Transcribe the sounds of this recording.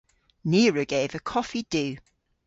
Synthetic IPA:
niːɹəɡ̥eɪvəkʰɒfid̥ʉː

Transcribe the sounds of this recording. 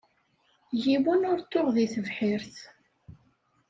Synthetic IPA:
jiwənʊɾt̪ːʊʁðiθəvħiɾθ

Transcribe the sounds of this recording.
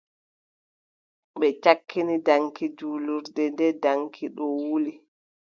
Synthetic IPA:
ɓɛt͡ʃakːinidaŋkid͡ʒuːluɾdɛndɛdaŋkʰiɗɔwuli

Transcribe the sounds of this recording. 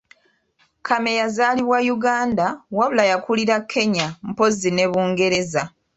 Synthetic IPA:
kʰame̞jazaːliβwajuɡaːndawaβulajakuliɾakʰːe̞ɲam̩po̞zine̞βuːŋɡe̞ɾe̞za

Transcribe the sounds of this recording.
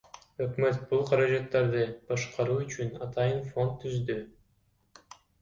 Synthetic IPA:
økmø̞t̪̚bulˠqʰɑɾɑd͡ʒɑt̪ːɑɾd̪ɯb̥ɑʃqɑɾuːyt͡ʃynɑt̪ɑjɯnfo̞nt̪ʰːyzd̪y

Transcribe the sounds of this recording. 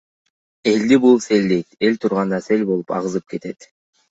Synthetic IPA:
e̞ld̪ibulˠse̞ld̪e̞jt̪e̞lʲt̪ʰuɾʁɑnd̪ɑse̞lʲbo̞lˠu̥pɑ̰ʁɯzɯp̚ke̞t̪e̞t̪

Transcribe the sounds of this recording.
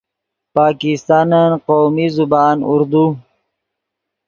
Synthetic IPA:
paːkist̪ɑːnanqowmizubɑːnṵɾd̪u

